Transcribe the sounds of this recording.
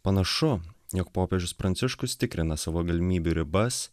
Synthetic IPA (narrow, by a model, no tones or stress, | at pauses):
pɐnɐʃʊjɔkpoːpʲeʒʲʊspɾɐnʲsʲɪʃkʊst̪ʲɪkɾʲɪnɐsɑːʋoːɡɐlʲɪmʲiːbʲuɾʲɪbɐs